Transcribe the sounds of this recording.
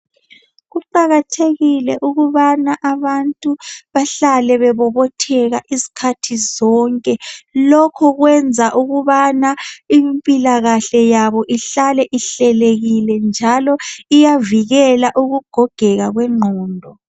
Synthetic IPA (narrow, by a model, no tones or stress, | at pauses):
ɣuǃaɣatʰeɣilɛʔuɣuβanaʔaβantʼuβaɬalɛβɛβɔβɔtʰɛɣaʔizi̥kʰatʰizɔŋkʼɛlɔkʰɔɣwɛnd͡zʱaʔuɣuβanaimpʼilaɣaɬɛjaβɔʔiɬalɛʔiɬɛleɣilɛnd͡ʒʱalɔijaviɣɛlaʔuɣuɡ̥ʱɔɡ̥ʱɛɣaɣwɛŋ͡ǃʱɔːndʱɔ